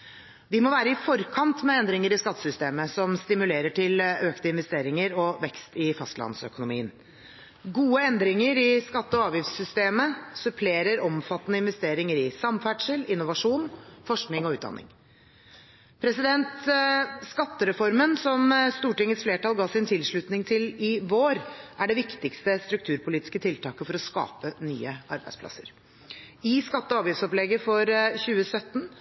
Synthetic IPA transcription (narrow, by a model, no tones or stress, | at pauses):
ʋɪmɔʋæːɾəɪfɔɾkʰɑnt̪mɛɛnd̪ɾɪŋəɾɪskɑt̪ːə̥sʏst̪eːməsɔmst̪ɪmʉleːɾəʈʰɪløːkt̪əɪnʋɛst̪eːɾɪŋəɾɔʋɛkst̪ɪfɑst̪lɑ̰nsœ̰kʊnʊmḭːən | ɡuːəɛnd̪ɾɪŋəɾɪskɑt̪ːəɔɑːʋjɪfsːʏst̪eːməsʉpʰleːɾəɾɔmfɑt̪ːənəɪnʋɛst̪eːɾɪŋəɾɪsɑmfæːɖʂəlɪnːʊʋɑʂuːnfɔʂknɪŋɔʉːt̪̚d̪̰nːɪ̰ŋ | pʰɾɛsɪd̪ɛnt̪skɑt̪ːəɾɛfɔɾmənsɔmst̪uːʈɪŋːəsfleːʈɑlˠɡɑːsɪnt̪ʰɪlʂɭʉt̪nɪŋt̪ʰɪlɪʋoːɾʔæɖɛʋɪkt̪ɪkst̪əst̪ɾʉk̚t̪ʰʉːɾpʊliːt̪ɪ̥skət̪ʰɪlt̪ʰɑːkəfɔɾɔskɑ̰ːpəny̰ːəɑ̰ɾbæɪspʰlɑ̰səɾ | ɪskɑt̪ːəɔɑːʋjɪftsɔplɛɡəfɔɾçʉːəsœt̪ːn